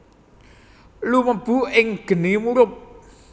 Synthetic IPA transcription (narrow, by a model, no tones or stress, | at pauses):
luməb̥ṳɪŋɡ̥ə̤nimuɾʊp̚